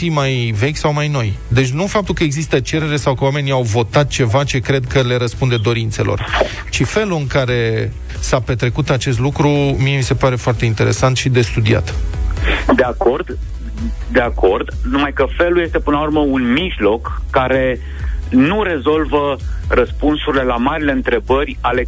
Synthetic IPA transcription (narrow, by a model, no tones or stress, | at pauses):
imajve̞kʲsawmajno̞jd̪e̞t͡ʃʲnufap̚t̪ulkəeɡzist̪ət͡ʃe̞ɾe̞ɾesawkəwame̞niawvo̞t̪at̪̚t͡ʃe̞vat͡ʃe̞kɾe̞d̪̚kəle̞ɾəspund̪e̞d̪o̞ɾint̪se̞̰lʔo̞̰r | t͡ʃife̞luɨŋkaɾe̞ | sape̞t̪ɾe̞kut̪at͡ʃe̞s̬t̪lukɾumie̞mise̞paɾe̞foart̪e̞int̪e̞ɾe̞̰sant̪ʃid̪e̞st̪ud̪ia̰t̪ | d̪e̞ako̞rd̪̥ | d̪e̞akord̪numajkəfe̞luje̞st̪e̞pɨnəlauɾrməunmiʒlo̞kːaɾe̞ | nuɾe̞zo̞lvərəspunsuɾile̞lamaɾile̞ɨnt̪ɾe̞bərʲale